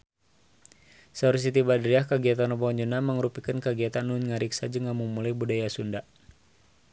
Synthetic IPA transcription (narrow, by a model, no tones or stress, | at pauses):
saɾus̬it̪ibadɾiahkaɡiat̪anɔbaɔɲd͡ʒunaməŋɾupikənkaɡiat̪anːunŋaɾiksad͡ʒəŋamumulajbudajasunda